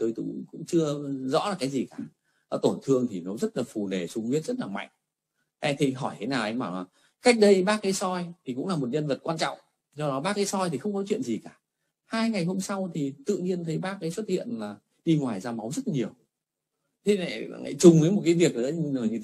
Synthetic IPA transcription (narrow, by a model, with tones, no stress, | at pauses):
t̪oː˨˦jt̪ṵ˧˦˧ŋ͡mkʊ̰˧˥ŋ͡mt͡ɕɨ˧əzɔ̰˧˥laː˨˩kaː˨˦jzi˨˩kaː˧˩ | ʔəː˧˩t̪o˧˩nt̪ʰɨ˧əŋt̪ʰi˨˩nɔ˨˦zə˦˥t̚laː˨˩fu˨˩ne˨˩sʊ˨˧˦ŋ͡mwi˦˥ət̚zə˦˥t̚laː˨˩ma̰˧˨jŋ̟ | ʔt̪ʰi˨˩ɦɔ˧˩jt̪ʰe˨˦naː˨˩wʔa˧jɓaː˧˩wlaː˨˩ | ka˦˥jk̚ɗə˨˧jɓaː˦˥kaː˨˦jsɔ˧jt̪ʰi˨˩kʊ̰˧˥ŋ͡mlaː˨˩mo˨˩t̚ɲə˧nvə˨˩t̚kwaː˧nt͡ɕɔ̰˧˨wŋ͡m | zɔ˧ɗɔ˨˦ɓaː˧˩kaː˨˦jsɔ˧jt̪ʰi˨˩xə˧wŋ͡mkɔ˨˦t͡ɕwḭ˧˨ənzi˨˩kaː˧˩ | haː˧jŋa˨˩jɦo˧msa˧wt̪ʰi˨˩t̪ɨ̰˧˨ɲi˧ənt̪ʰə˨˦jɓaː˧kaː˨˦jswə˦˥t̚hḭ˧˨ənlaː˨˩ | ɗi˧ŋwaː˨˩jzaː˧ma˨˦wŋ͡mzə˦˥t̚ɲi˨˩əw | t̪ʰe˨˧na̰˧˩˨ŋa̰˧˨t͡ɕʊ˨˩ŋ͡mvə˨˦jmo˨˩t̚ka˨˦jvi˨˩ək̚lə˧˦˧ə˨˩jɲɨ˧e˨˦